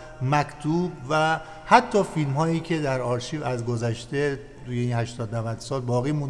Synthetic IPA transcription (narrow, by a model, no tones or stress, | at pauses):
mækʰt̪ʰuːbvæ | hæt̪ʰːɒːfilmhɒːjiːcʰe̞d̪æɾɒːɾʃiːvæzɡozæʃt̪e̞ | t̪ʰuːjeiːnhæʃt̪ɒːd̪nævæd̪̥sɒːlbɒːɣiːmũnd̪